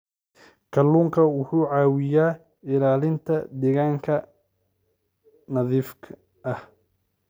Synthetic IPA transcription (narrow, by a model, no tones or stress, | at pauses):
kʰɐluːŋkʰɐwʊħuːʕaːwɪjaː | ɪlaːlɪnt̪ʰɐd̪ɛɣaːŋkʰɐ | nɐðiːfkʰ | ɐh